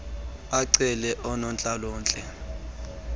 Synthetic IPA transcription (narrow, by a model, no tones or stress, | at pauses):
aǀɛlɛʔɔnɔnt͡ɬʼalɔːnt͡ɬʼɛ